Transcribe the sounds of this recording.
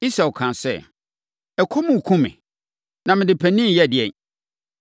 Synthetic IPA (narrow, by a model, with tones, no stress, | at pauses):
i˦sa˨ɔ˨kʰã˨nsɛ̰˦ | ɛ˨kʰɔ˦mʊ̃˨kʰũ˦mɪ̰̃˨ | nã˨mɪ̃˨dɪ˨pʰæ˨nĩ˦˨jɛ˦˨dɪ˨ɛ̃˨n